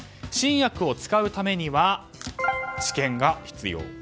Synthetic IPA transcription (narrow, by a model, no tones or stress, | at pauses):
ɕĩɰ̃jakɯ̟o̞t͡sɨ̥kaɯ̟t̪ame̞ɲ̟iβa | t͡ɕi̥kẽ̞ŋɡaçi̥t͡sɨ̰jo̞̰ː